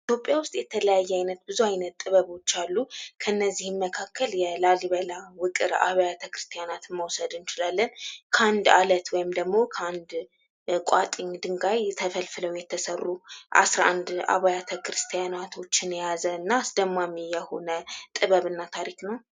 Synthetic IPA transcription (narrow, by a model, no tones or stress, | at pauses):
it̪ʰjo̞pʼːjawʊst̪ʼjɛt̪ʰələjajːɛajnət̪bɨzuajnət̪ʼːɨβəβo̞t͡ʃːalːukʰəɨnːəzːihɨmːəkʰakʰːəljɛlaliβəlawɨkʼɨɾa̰βajat̪ʰəkɾɨst̪ʰijanat̪məwsəd̪ɨnt͡ʃɪlalːənkʰəand̪alət̪wɔjɪmd̪əɡmo̞kʰəand̪ | kʷʼat̪ʼɨɲːd̪ɨŋɡajt̪ʰəfəlfɨləwjɛt̪ʰːəsərːuʔa̰sɾaʔand̪a̰βajat̪ʰəkɾɨst̪ʰijanat̪ʰo̞t͡ʃːɪnɛjazəɨnːaːsd̪əmːamijɛho̞nət̪ʼɨβəβɨnːat̪ʰaɾiknəw